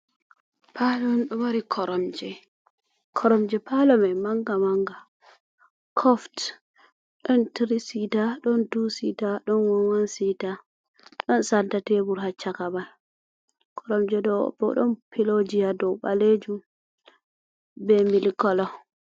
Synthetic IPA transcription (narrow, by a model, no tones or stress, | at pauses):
palɔnɗɔwaɾikʰɔɾʔɔmd͡ʒɛ | kʰɔɾɔmd͡ʒɛpalɔmɛmaŋɡamaŋɡa | kʰɔft | ɗɔntɾisitaɗɔntusitaɗɔnwɔnwansita | ɗɔnsantatebuɾhat͡ʃːakamal | kʰɔɾɔmd͡ʒɛdɔ̰bɔ̰ɗɔnpilod͡ʒijadɔɓa̰led͡ʒum | bɛmilkɔlɔ